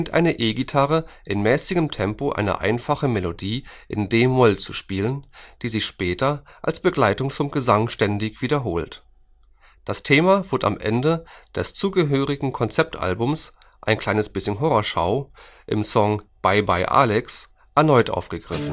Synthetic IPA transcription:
ɪntʔa̰ɪnəʔeːɡitʰaʁəʔɪnmɛːsɪɡəmtʰɛmpoʔa̰ɪnɐ̰ʔa̰ɪnfaχəmɛlodiːʔɪ̰ndeːmʊlt͡suʃpiːlənd̥iːzɪçʃpɛːtɐʔa̰lsb̥əɡlaɪtʊŋt͡sʊmɡəzaŋʃtɛndɪçv̥iːdɐɦoːlt | d̥astʰeːmavɪɐda̰mʔɛ̰ndəd̥ɛst͡suːɡəɦøːʁɪɡŋ̩kʰɔnt͡sɛp̚tʔa̰lbʊms | ʔaɪnkʰl̥aɪnəsb̥ɪsçənɦɔʁɔʃaʊ | ʔɪ̰msɔŋb̥aɪbaɪʔa̰ːlɛks | ʔɛɐnɔʏtʔa̰ʊfɡ̥əɡʁɪfn̩

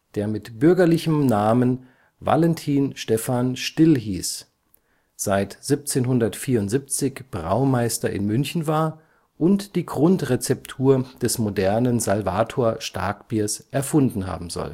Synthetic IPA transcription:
d̥eːɐmɪtb̥ʏɐɡɐlɪçəmnaːmən | va̰lɛntʰiːnʃtɛfanʃtɪlɦiːs | z̥aɪtz̥ip̚t͡seːnɦʊndɐtfiːɐʊntz̥ip̚t͡sɪçb̥ʁa̰ʊmaɪstɐʔɪ̰nmʏnçn̩vaːɐ | ʔʊntd̥iːɡʁʊntʁet͡sɛp̚tʰuːɐd̥ɛsmodɛɐnənzalva̰ːtʰoːɐʃtʰa̰ɐkb̥iːɐsʔɛɐfʊndn̩ɦa̰ːbm̩zɔ̰l

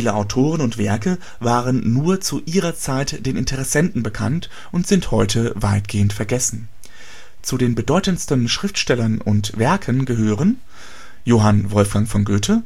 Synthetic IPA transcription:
iːləʔaʊtʰoːʁ̞ənʊntv̥ɛɐkə | vaːʁənːuːɐt͡suʔiːʁɐt͡saɪtd̥eːnʔɪntʰəʁɛsɛntn̩bəkʰa̰nt | ʔʊntz̥ɪnthɔʏtʰəvaɪtɡ̥eːəntfɛɐɡɛsn̩ | t͡sudeːnbədɔʏtənstən̩ʃʁ̥ɪftʃtɛlɐnʊ̰ntv̥ɛɐkʰənɡəɦøːʁən | joːɦanvɔlfɡ̥aŋfɔnɡøːtʰə

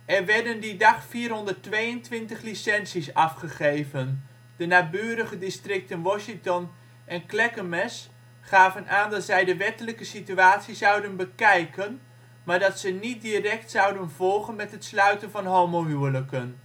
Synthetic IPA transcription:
ɛrʋɛɹdəndidɑχfiːrɦɔndərtʋejəntʋɪntəχlisɛnsisɑfχəχejvən | d̥ənaːbyːɾəχədɪstrɪk̚tɪnʋɔʃɪŋtɔn | ʔɛnklɛkəmɛs | χaːvənʔaːndɑtsɛjdəʋɛtələkəsityaːtsizɑwdənbəkɛjkən | maːɹdɑtsənit̚dirɛktsɑwdənvɔlˠχənmɛtɦətslœɥtənvɑnɦoːmoɦyələkən

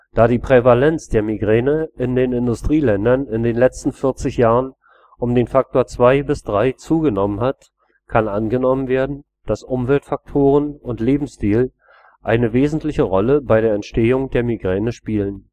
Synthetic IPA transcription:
d̥aːɾiːpʁ̥evalɛnt͡sd̥eːɐmiɡʁɛːnəʔɪndeːnɪndʊstʁ̥iːlɛndɐnɪndeːnlɛt͡stn̩fɪɐt͡sɪçjaːʁən | ʔʊmdeːnfak̚toːɐt͡sv̥aɪbɪsd̥ʁaɪt͡suːɡənɔmənhat | kʰanʔanɡənɔmənveːɐdn̩ | d̥asʔʊmvɛltfak̚tʰoːʁ̞ənʊntleːbm̩stiːl | ʔaɪnəveːzn̩tlɪçəʁɔləbaɪɾeːɐɛntʃteːʊŋdeːɐmiɡʁɛːnəʃpiːlən

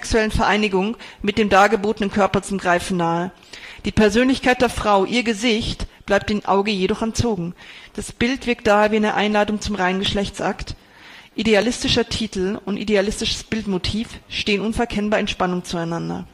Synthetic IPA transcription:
ksuɛlənfɛɐʔaɪnɪɡʊŋmɪt̚d̥eːmdaːɡəboːtənənkʰœɐpɐt͡sʊmɡʁaɪfn̩naːə | d̥iːpʰɛɐzøːnlɪçkʰaɪt̚d̥eːɐfʁ̥aʊʔiːɐɡəzɪçtb̥laɪp̚td̥eːnʔa̰ʊɡəjedɔχɛnt͡soːɡŋ̩d̥asb̥ɪltv̥ɪɐk̚t̚d̥aːheːɐviːaɪnəɐʔaɪnlaːtʊŋt͡sʊmʁaɪnənɡəʃlɛçt͡sʔakt | ʔidealɪstɪʃɐtʰiːtl̩ʊntʔḭdealɪstɪʃə̥sb̥ɪltmotʰiːfʃteːənʔʊnfɛɐkʰɛnbaːɐɛntʃpanʊŋt͡suaɪnandɐ̰

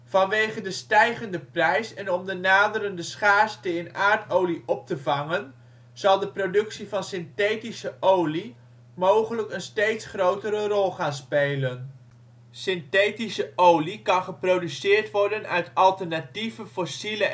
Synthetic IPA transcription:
v̥ɑnʋejχəndəstɛjχəndəprɛjsɛnɔmdənaːdəɾəndəsχaːstəɪnaːɹtowliʔɔp̚təvɑŋən | z̥ɑlˠdəprodɵksivɑnsɪntejtisəʔowli | mowχələkənstejtsχrowtəɾərɔlˠχaːnspejlən | sɪntejtisəʔowlikɑnχəprowdysɪːɹtʋɔɹdənœɥtɑlˠtəɹnativəfɔsilə

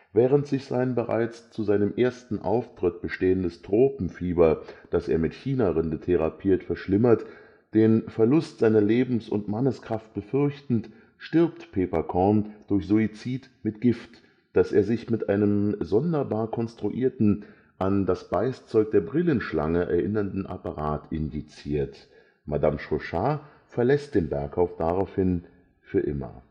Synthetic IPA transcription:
vɛːʁəntz̥ɪçz̥a̰ɪnbəʁa̰ɪt͡st͡suzaɪnəmʔeːɐstn̩ʔa̰ʊftʁ̥ɪt̚b̥əʃteːəndəstʁ̥oːpm̩fiːbɐd̥asḛːɐmɪtçiːnaʁɪndətʰeʁa̰pʰiːɐtfɛɐʃlɪmɐt | d̥eːnfɛɐlʊstz̥aɪnɐleːbm̩sʊ̰ntmanəskʁ̥aft̚b̥əfʏɐçtn̩t | ʃtɪɐp̚tpʰeːpɐkʰɔɐnd̥ʊɐçz̥uit͡siːtmɪt̚ɡ̥ɪft | d̥aseːɐzɪçmɪtʔaɪnəmzɔndɐbaːɐkʰɔnstʁ̥uʔḭːɐtn̩ | ʔandasb̥aɪst͡sɔʏk̚d̥eːɐbʁɪlənʃla̰ŋəʔɛ̰ɐʔɪnɐndn̩ʔa̰paʁaːtʰʔɪndit͡siːɐt | madamʃoʃaː | fɛɐlɛst̚d̥eːnbɛɐkhaʊfd̥aʁaʊfhɪn | fyːɐʔɪ̰mɐ̰

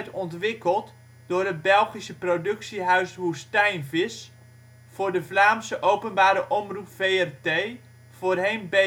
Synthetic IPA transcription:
tɔntʋɪkəlˠt | d̥ʊːrɦət̚bɛlˠχisəprodɵksiɦœɥsʋustɛjnvɪs | fʊːrdəvlaːmsəʔowpənbaːɾəʔɔmrupfejɛrtej | v̥oːrɦejnbe

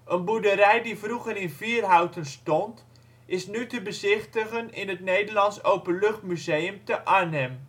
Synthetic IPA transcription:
ʔənbudəɾɛjdivruχəɾɪnviːərɦɑwtənstɔnt | ʔɪsnytəbəzɪχtəχənɪnətnejdəɹlɑnsowpənlɵχtmyzejəmtəʔaɹnɛm

